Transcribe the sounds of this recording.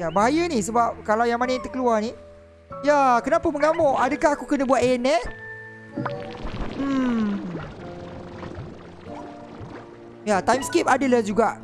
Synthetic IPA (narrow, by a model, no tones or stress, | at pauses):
jabaɦajənisəbap̚kalawjaŋmanət̪əkəluarni | jakənapəməŋamɔʔʔadəkahakukənə̃buat̪ɛnɛt̪̚ | jat̪ajmskep̚adalad͡ʒuɡaʔ